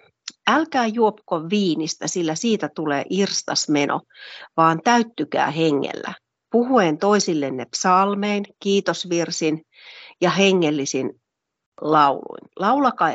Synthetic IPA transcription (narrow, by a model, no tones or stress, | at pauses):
ælkæːjuopkoʋʋiːnist̪æsilːæsiːt̪æt̪ulḛːʔirst̪ɑsmenʔo̰ʋɑːnt̪æyt̪ːykæ̰ːheŋːḛlːæ̰ | puhuent̪oisilːenːepsɑlmeinkiːt̪osʋirsin | jɑɦeŋːelːisin | lɑulṵinlɑulɑkɑ